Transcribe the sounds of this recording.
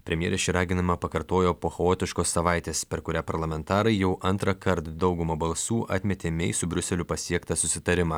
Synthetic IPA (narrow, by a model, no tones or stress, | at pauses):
pʲɾʲɛmʲjɛːɾʲɪʃt͡ʃʲɛɪɾɑːɡʲɪnɐmɐpɐkɐɾt̪oːjoːpoːxɛoːt̪ʲɪʃkoːsːɐʋɑˑɪt̪ʲeːspʲɛɾkʊɾʲæːpɐɾlˠɐmʲɛnt̪ɑːɾɐɪjɛʊʔɐnt̪ɾɐkɐɾt̪d̪ɒʊɡʊmɐbɐlˠsuːʔɐ̰t̪ʲmʲɛt̪ʲeːmʲɛɪsʊbʲɾʲʊsʲɛlʲʊpɐsʲiɛkt̪ɐsʊsʲɪt̪ɐɾʲɪmɑː